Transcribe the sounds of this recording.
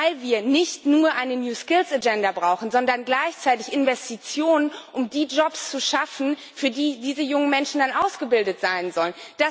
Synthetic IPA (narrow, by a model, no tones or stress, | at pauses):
aɪlviːɐnɪçtnuːɐʔaɪnənjuːskɪlsad͡ʒɛndɐbʁaʊxn̩zɔndɐnɡlaɪçt͡saɪtɪçʔɪnvɛstit͡sjoːnənʔʊmdiːd͡ʒɔpst͡suʃafn̩ | fyːɐdiːdiːzəjʊŋənmɛnʃn̩danʔaʊsɡ̥əbɪldətz̥aɪnzɔlənd̥a